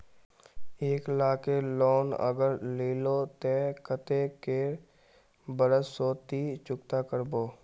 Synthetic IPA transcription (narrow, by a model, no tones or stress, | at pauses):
eːkɪlaːkelɔːnə̰ɡəɾleːlot̪ekət̪ekeː | bəɾəsoːt̪it͡ʃʊkt̪akəɾboː